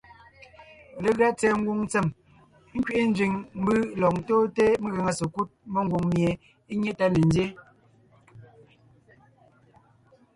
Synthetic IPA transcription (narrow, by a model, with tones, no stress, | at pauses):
le˨ɣɰa˦t͡sɛ˨ŋ̩˦ɡwu˦ŋn˦t͡se˨m˦ | ŋ̩˦kɥi˦˨ʔi˦n̩˦d͡ʒɥi˨ŋm̩˦bɨ˦lɔ˨ŋtoː˦te˦me˦ɣə˨ŋa˨se˨ku˦t̚mə˦˨ŋ˦ɡwu˨ŋmje˨ | i˦ɲe˦ta˦ne˨n˦dje˦